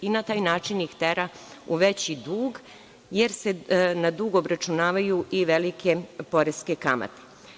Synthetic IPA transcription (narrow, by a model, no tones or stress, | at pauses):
inat̪aːjnaːt͡ʃinixt̪eɾa | ṵʋe̞t͡ɕid̪uːɡ | je̞ɾse̞nad̪uːɡobɾat͡ʃunaːʋajuʔiʋe̞likʰe̞po̞ɾeske̞kama̰t̪e̥